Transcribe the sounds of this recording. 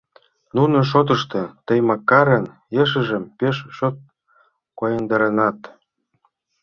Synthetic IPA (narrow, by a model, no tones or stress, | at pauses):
nunɤ̆ʃ̬ot̪̬ɤ̆ʃt̪ɤ̆t̪ə̆jmɑkːɑɾən | jeʃ̬ə̆ʒə̆mpeʃʃot̪̚ | kojɤnd̪ɑɾɤnɑt̪